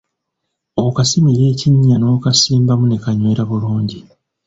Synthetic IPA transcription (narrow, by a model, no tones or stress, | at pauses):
okasimiɾe̞ːciɲːano̞ːkasiːmbamune̞kaɲweɾaβuluːɲɟi